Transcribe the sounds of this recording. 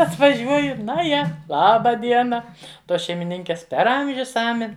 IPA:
ɐtʋɐˈʒʲuɔjʊ ˈnɐ ˈjɛ ˈlˠɑːbɐ ˈdʲiɛnɐ ˈtoːs ʃʲɛɪmʲɪˈnʲɪŋʲkʲeːs pʲɛr ˈɐmʲʒʲʊs ˈɑːmʲɛnʲ

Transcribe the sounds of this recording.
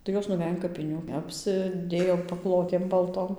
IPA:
tɐɪ ˈjoːs nʊˈʋʲɛj ɐn kɐpʲɪˈnʲuː ˌɑːpʲsʲɪˈdʲeːjoː pɐˈklˠoːtʲeːm bɐlˠˈtoːm

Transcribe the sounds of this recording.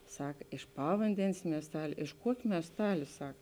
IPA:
ˈsɐk ɪʃ ˈpɑːʋɐnʲdʲɛnʲeːs mʲiɛsˈtɑːlʲeː ɪʃ ˈkuɔkʲeː mʲiɛsˈtɑːlʲeː ˈsɐk

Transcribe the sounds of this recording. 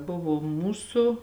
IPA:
ˈbʊʋoː ˈmuːsʊ

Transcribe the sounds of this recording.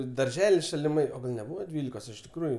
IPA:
ɪ dɐrʲˈʒʲæːlʲɪs ʃɐlʲɪˈmɐɪ oː ˈɡɐlʲ nʲɛˈbuːʋɐ ˈdʲʋʲiːlʲɪkoːs ɪʃ tʲɪkˈruːjʊ

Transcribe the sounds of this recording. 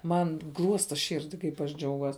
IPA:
ˈmɐn ˈɡlˠuɔstɐ ˈʃʲɪrʲdʲɪ kɐɪp ɐʃ ˈd͡ʒʲɛʊɡuɔs

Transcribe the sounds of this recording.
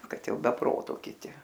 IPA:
ˈkɐt ˈjɛʊ bʲɛ ˈproːtoː kʲɪˈtʲɪ

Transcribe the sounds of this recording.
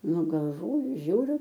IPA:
ˈnʊ ɡɐlˠˈʋoːjʊ ˈʒʲuːrʲʊ

